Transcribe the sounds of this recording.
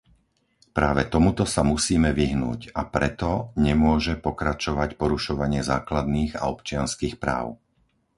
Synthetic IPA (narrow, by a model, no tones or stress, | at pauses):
pɾaːʋɛt̪ɔmut̪ɔsamusiːmɛʋiɦnṵːcapɾɛt̪ɔɲɛmʊɔʒɛpɔkɾat͡ʃɔʋacpɔɾuʃɔʋaɲɪɛzaːklad̪niːɣa̰ɔpt͡ʃɪanskiːxpɾa̰ːʊ